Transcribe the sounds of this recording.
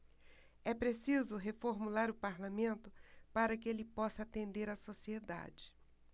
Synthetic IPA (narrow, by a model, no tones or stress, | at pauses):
ɛpɾesizʊɦefoɾmulaɾʊpaɾlamẽnt̪ʊpaɾɐkɪelɪpɔsɐat̪ẽnd̪eɾɐsosied̪a̰d͡ʒɪ̥